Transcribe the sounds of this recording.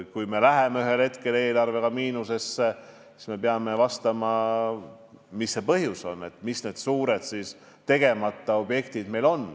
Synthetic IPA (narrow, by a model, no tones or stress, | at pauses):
kujme̞læɦemeyɦe̞lhe̞t̪ke̞le̞ːlɑrve̞kɑmiːnuse̞sːe | si̥sme̞peɑme̞vɑst̪ɑmɑ | misːe̞pɤɦjuso̞̰nːe̞̰t̪ːˑmisne̞ːd̪̥suːɾe̞d̪̥sis | t̪e̞ɡe̞mɑt̪ˑːɑo̞bje̞kt̪id̪̥me̞jlo̞n